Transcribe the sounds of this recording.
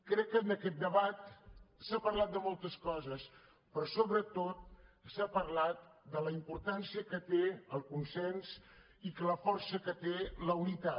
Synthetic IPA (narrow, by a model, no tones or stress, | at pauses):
kɾɛkːənəkɛt̪̚d̪əβat̪sapəɾlat̪̚d̪əmolˠt̪əskɔzəs | pɾɔsoβɾət̪ot̪̚sapəɾlat̪̚d̪ələimpuɾt̪ansiəkət̪eəlˠkunsɛnz | ikələfɔɾsəkət̪eləunit̪a